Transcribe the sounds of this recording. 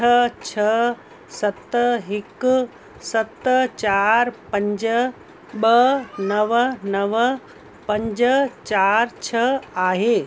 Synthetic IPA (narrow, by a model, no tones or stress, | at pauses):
ɐt͡ʃʰɐ | sɐt̪ːəɦɪk | sɐt̪ːət͡ʃaːɾpɐ̃ɲd͡ʒə | bənɐʋnɐʋə | pɐ̃ɲd͡ʒət͡ʃaːɾt͡ʃʰɐaːɦe